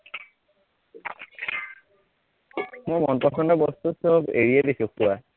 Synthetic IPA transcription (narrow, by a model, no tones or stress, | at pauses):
mojmɔnpɔkɔndɔbɔst̪usɔbḛɹijadisʊ̃kʊwa